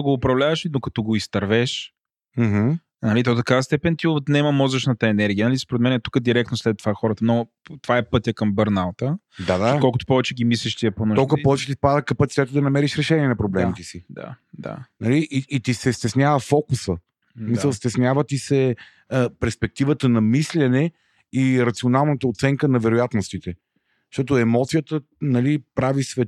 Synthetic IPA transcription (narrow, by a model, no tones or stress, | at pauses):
oɡoːpɾɐvlʲavɐʃinokɐ̥t̪ɔɡoist̪ɐɾvɛʃ | m̩ɦ̩ | nɐlit̪ɔt̪ɐkavəst̪ɛpɛnt̪iot̪nɛmɐmɔzɐʃnɐt̪əɛnɛɾɡʲijənɐlispoɾɛt̪mɛnɛt̪u̥kəd̪iɾɛk̚t̪noslɛt̪ːovaxɔɾət̪əmnɔ | t̪ovaɛpɤt̪ʲəkɐmbəɾnalˠt̪ə | d̪ad̪akɔlˠkʊt̪o̥pɔvɛt͡ʃɛɡʲimisliʃt̪iɛponolkəpɔvɛt͡ʃɛt̪ipad̪əkɐpɐt̪si̥t̪ɛt̪əd̪ɐnɐmɛɾiʃɾɛʃɛnʲiɛnɐpɾoblɛmit̪ɛsid̪a̰d̪a̰nɐliʔiːt̪isɛst̪ɛsnʲjavəfɔkusə | misəlˠst̪ɛsnʲjavət̪isɛ | pɛɾspɛk̚t̪ivət̪ənɐmislʲɛnɛ | iɾɐt̪sionalˠnət̪əot̪sɛŋkənɐvɛɾojat̪nost̪it̪ɛ | ʃt̪ɔt̪oɛmɔt̪sijət̪ə | nɐlipɾavisvɛ